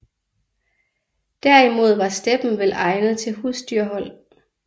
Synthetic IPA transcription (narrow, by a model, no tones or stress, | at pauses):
d̥æɐ̰imo̝ð̞̰ˠʋɑ̈sd̥eb̥n̩ʋelɑ̈ɪnəð̞̩ˠt͡sʰe̝lhusd̥yɐɦɒ̽l̰